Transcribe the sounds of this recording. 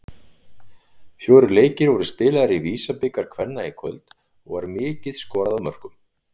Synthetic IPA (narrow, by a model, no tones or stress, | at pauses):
fjoːwɾʏleːjcɪɾvɔɾʏspɪːlaðaɾiviːsapɪkaɾ̥kʰvɛnːaikʰœ̰lt̪ | ɔɣvaɾmɪːcɪðskɔːɾaðawmœr̥kʏm